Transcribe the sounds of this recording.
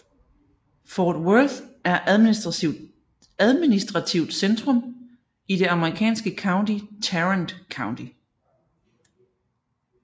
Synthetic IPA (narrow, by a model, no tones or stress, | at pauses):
fɒːd̥wøðæɐʔm | æð̞ˠminisd̥ʁɑ̈t͡sʰiʊ̰d̥send̥ʁɔ̽m | id̥e̝ɑ̈məʁikʰɛ̰ːnsɡ̥əkʰɑ̈ʊnd̥it͡sʰæʁənd̥kʰɑ̈ʊnd̥i